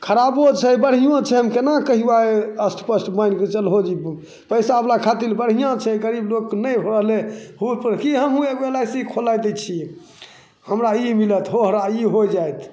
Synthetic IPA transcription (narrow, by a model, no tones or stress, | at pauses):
kʰəɾabot͡ʃʰɛjbəɽɦijãt͡ʃʰɛɦəmkenakəɦibaeəsʈpəsʈbajnket͡ʃəlɦod͡ʒi | pəjsaəblakʰat̪ilbəɽɦijãt͡ʃʰɛɡəɾiblokːnəjbʱoɾəɦlehut̪̚pəɾkiɦəmɦũeɡbelajsikʰolajt̪ət͡ʃʰi | həmɾaimilət̪ʰɦoɦɾaiɦojd͡ʒajt̪ʰ